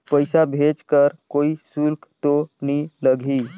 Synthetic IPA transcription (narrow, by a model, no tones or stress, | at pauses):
pəjsabʱet͡ʃkəɾkoisulkt̪oniːləɡʱiː